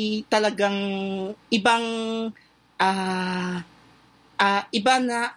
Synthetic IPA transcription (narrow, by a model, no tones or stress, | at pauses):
t̪ɐlɐɡaŋʔɪbaŋ | ʔaː | ʔaʔɪbanɐ